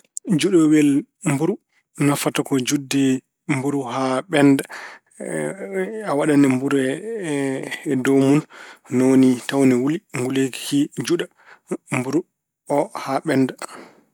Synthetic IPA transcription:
d͡ʒuɗɔwɛl | mbuɾu | nafatakɔd͡ʒudːɛ | mbuɾuɦaɓɛnda | awaɗanɛmbuɾɛ | dɔmunnownitawnɛwuliŋɡuleki̥kid͡ʒuɗa | mbuɾu | ɔhaɓɛnda

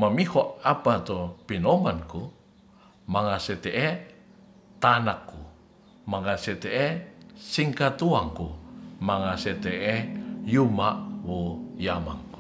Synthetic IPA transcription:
mamihɔʔapat̪opinɔmanku | maŋasɛt̪ɛʔɛ | t̪anakːu | maŋasɛt̪ɛʔesiŋkat̪uaŋkumaŋasɛt̪ɛʔɛjumaʔwujama̰ŋku̥

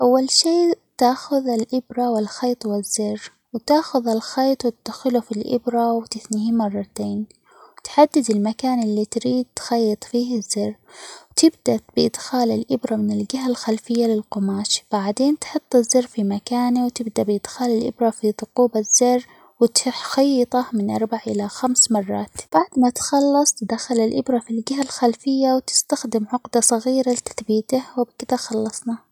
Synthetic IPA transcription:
ʔawːalʃiːt̪aːxʊðɪlʔɪbɾˤɑwɪlxɑjt̪ˤwɪzːɪrː | wt̪aːxʊðɪlxɑːt̪ˤwɪt̪ɪd̪xɪlufilʔɪ̰bɾɑwt̪ɪθnɪhimɑrˤːɑt̪eːn | wt̪ħad̪ːɪd̪ɪlmakaːnʔɪlːit̪ɾiːd̪̚t̪xɑjːɑt̪ˤfiːhɪzːɪɾwt̪ɪbd̪ab̥ɪʔɪd̪xaːlɪlʔɪbɾˤɑmɪnɪlɡaɦalxalfɪjːalɪlqʊmaːʃb̥aʕd̪eːnt̪ħʊt̪ˤːɪzːɪrfimakaːnewt̪ɪbd̪aʔbɪʔɪd̪xaːlɪlʔɪ̰bɾɑfiðˤʊquːbaz̥ːɪrː | wɪt̪xɑjːɑt̪ˤɑmɪnʔɑ̰ɾˤbaʕʔɪlaxamsmɑrˤːɑːt̪b̥aʕd̪mat̪xɑlːɑsˤt̪d̪axalɪlʔɪbɾˤɑfilɡɪɦalxalfɪjːawt̪ɪ̥st̪axd̪ɪmʕʊqd̪asˤɑɣiːɾalɪt̪ḁθbiːt̪ahwɪbkɪd̪axɑlːɑsˤnɑ

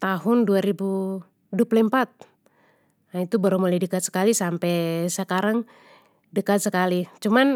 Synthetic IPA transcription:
t̪aɦʊnduaɾibu | duapəlimpat̪̚ | ait̪ubaɾumoladəkat̪̚sə̥kalisampɛsəkaɾaŋ | dəkat̪̚səkalit͡ʃuman

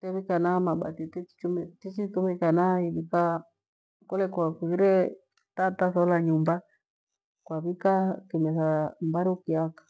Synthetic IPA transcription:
tɛβikanamaɓa̰titiit͡ʃumtit͡ʃitumɛkanaiβika | kɔlɛkwakuiɾɛ | tatasɔlaɲumba | kwaβikakimɛθambaɾuukiakḁ

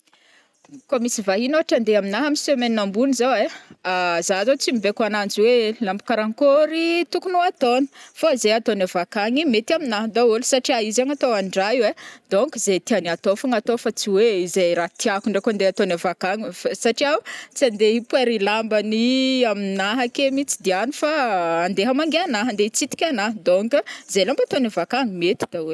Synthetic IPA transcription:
komisivaɦinoaʈ͡ʂand̪eaminaɦamisemeninambunizaweazaazot͡simibekanand͡ziwelambu̥kaɾaŋkoɾit̪ukunuat̪oni̥foizejat̪onavakaŋimet̪aminaɦd̪aulsaʈ͡ʂiaizaŋat̪owaɳɖ͡ʐawed̪̥oŋkizet̪ianiat̪ofaŋat̪ofat͡siweizajɾat̪iakuɳɖ͡ʐekuand̪eat̪onavakaŋifasaʈ͡ʂiaut͡siand̪eipweɾilambəniaminaɦakemit͡sid̪ianifaːnd̪eɦamaŋɡeanaɦand̪eit͡sit̪i̥kʲanaɦd̪oŋkəizejlambat̪onavakaŋimet̪i̥d̪̥aul

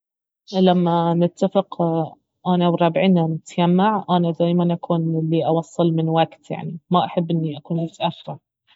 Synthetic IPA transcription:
lamːanɪt̪ːafɪq | ʔanawɾˤɑːbʕiːnanɪt̪jamːaʕʔanad̪aːjmanʔakʰuːnlːiʔɑwɑsˤːɨlmɪnwaɡt̪ja̰ʕnimaʔaħabːʔɪnːiʔakuːnmʊt̪ʔafːɪɾ

